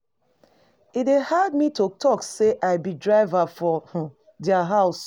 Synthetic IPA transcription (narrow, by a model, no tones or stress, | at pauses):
idehadmitotʰɔkseʔaɪbidɹaɪvafɔh | diaɦaʊs